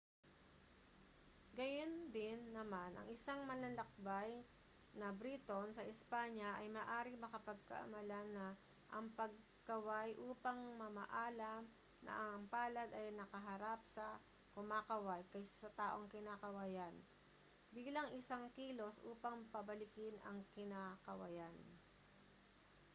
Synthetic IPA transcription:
ɡɐjond̪ɪnːɐmanʔɐ̰ŋʔɪsaŋmɐlɐlɐk̚baj | nɐbɾit̪onsɐʔɪspaɲjɐʔɐjmaːʔaːɾɪŋmɐkɐpɐɡ̚kɐ̰ʔɐ̰mɐlanɐ | ʔɐŋpɐɡ̚ | kɐwajʔuːpɐŋmɐma̰ʔaːlɐm | nɐ̰ʔɐŋɐmpaːlɐd̪ɐjnɐkɐɦɐɾap̚sɐ | kʊmaːkɐwajkɐjssɐt̪aːʔo̞ŋkɪnaːkɐwajan | biːlɐŋʔɪsaŋkiːlo̞sʔṵːpɐŋpɐbɐlɪkɪnɐ̰ŋkɪnaːkɐwɐ̰jan

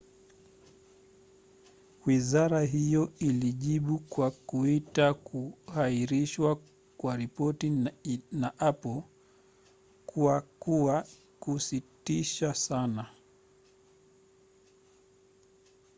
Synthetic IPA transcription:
wizaɾaɦijɔiliʄiɓukwakuitakuhaiɾiʃwa | kwaɾipɔtinaʔapɔl | kuakuwa | kusitiʃasana

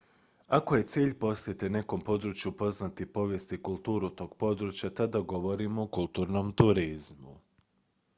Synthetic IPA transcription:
ako̞je̞t̪siːʎpo̞sjet̪ene̞ko̞mpo̞d̪ɾut͡ʃjupo̞znat̪ipo̞ʋje̞st̪ikulˠt̪uːɾut̪o̞ːɡ̥po̞d̪ɾut͡ɕjat̪ad̪aɡo̞ʋo̞ɾimoːkulˠt̪uːɾnomt̪uɾizmu

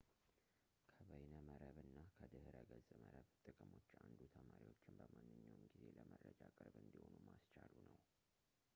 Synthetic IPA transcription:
kʰəβəjnəməɾəβɨnːakʰəd̪ɨhɨɾəɡəzʼɨməɾəβt̪ʼɨkʼɨmo̞t͡ʃːand̪ut̪ʰəmaɾiwot͡ʃːɪnbəmanːɨɲːawɨmɡize̞ləmərːəd͡ʒakʼɨɾbɨnd̪iho̞numast͡ʃalunəw

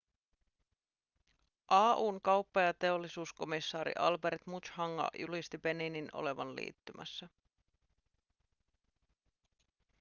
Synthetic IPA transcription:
ʔɑːʔuːŋkɑwpːɑjɑt̪e̞o̞lːisuːsko̞misːɑːɾḭʔɑlbe̞ɾt̪mut͡ʃhɑŋːɑ̰julist̪ibe̞ninino̞̰le̞ʋɑnlḭːt̪ːymʔæ̰sːæ

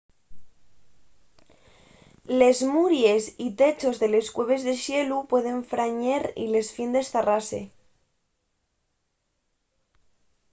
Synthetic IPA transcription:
lezmuɾje̞sit̪et͡ʃo̞zðe̞le̞skweβe̞zðeʃjelupwe̞ð̞e̞ɱfɾaɲeɾḭle̞sfind̪esθarasḛ

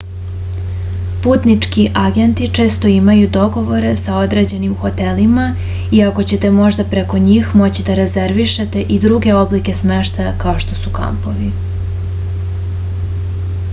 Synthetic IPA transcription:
puːt̪nit͡ʂkiʔaɡe̞nt̪it͡ʂe̞ːst̪o̞imajud̪o̞ɡo̞ʋo̞ɾe̞sao̞d̪ɾe̞d͡ʑe̞nimxo̞t̪e̞lima | iako̞t͡ɕe̞t̪e̞mo̞ʒd̪apɾe̞ko̞ɲiːxmo̞t͡ɕid̪aɾe̞ze̞ɾʋiʃet̪e̞ʔid̪ɾuɡe̞o̞blike̞sme̞ʃt̪ajakao̞ʃt̪o̞suka̰mpo̞ʋi

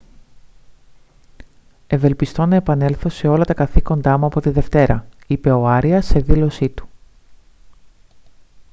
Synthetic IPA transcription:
e̞ve̞lpist̪o̞nɐe̞pɐne̞lθo̞se̞o̞lɐt̪ɐkɐθiko̞nd̪ɐmuɐpo̞t̪iðe̞ft̪e̞ɾʔɐipe̞o̞ɐɾiɐse̞ðilo̞sit̪u̥

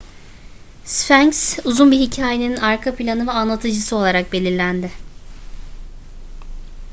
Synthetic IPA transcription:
sfæɲksuzunbiɦicʰaːje̞ninaɾkʰapʰilʲanɯvɛanlˠat̪ʰɯd͡ʒɯsɯo̞lˠaɾak̚be̞lʲiɾlʲænd̪ɪ

